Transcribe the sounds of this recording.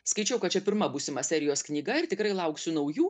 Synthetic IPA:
skɐɪt͡ʃʲɛʊkɐt̪t͡ʃʲɛpʲɪɾmɐbuːsʲɪmɐsʲɛɾʲɪjoːsknʲiːɡɐɪɾt̪ʲɪkɾɐɪlˠɐʊksʲʊnɐʊjuː

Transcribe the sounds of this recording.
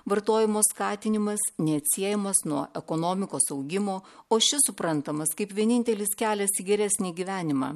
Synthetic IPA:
ʋɐɾt̪oːjɪmoːskɑːt̪ʲɪnʲɪmɐsnʲɛɐt̪ʲsʲiɛjɛmɐsnuɔʔɛkoːnoːmʲɪkoːsɐʊɡʲɪmoːoːʃʲɪsʊpɾɐnt̪ɐmɐskɐɪpʋʲiɛnʲɪnʲt̪ʲɛlʲɪskʲæːlʲɛsiɡʲɛɾʲæsʲnʲiːɡʲiʋʲæːnʲɪmɑ̰ː

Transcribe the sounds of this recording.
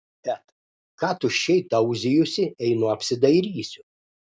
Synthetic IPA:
bʲɛt̪ | kɑːt̪ʊʃʲɛɪt̪ɐʊzʲɪjʊsʲɪɛɪnʊɐpʲsʲɪd̪ɐɪɾʲiːsʲʊ

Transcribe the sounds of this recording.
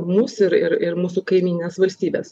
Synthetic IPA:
muːsɪɾɪɾɪɾmuːsʊkɐɪmʲiːnɪnʲeːsʋɐlʲsʲt̪ʲiːbʲeːs

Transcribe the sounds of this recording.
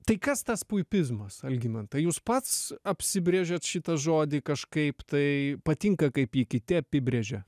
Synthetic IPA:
t̪ɐɪkɐst̪ɐspʊɪpʲɪzmɐsɐlʲɡʲɪnɐnt̪ɐɪjuːspɐt̪sɐpʲsʲɪbʲɾʲeʒʲɛt̪ʃʲɪt̪ɐʒoːd̪ʲɪkɐʃkɐɪpt̪ɐɪpɐt̪ʲɪŋkɐkɐɪpiːkʲɪt̪ʲɪɐpʲɪbʲɾʲeʒʲɛ

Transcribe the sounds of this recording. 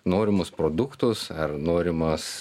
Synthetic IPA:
noːɾʲɪmʊspɾoːd̪ʊkt̪ʊsɐrnoːɾʲɪmɐs

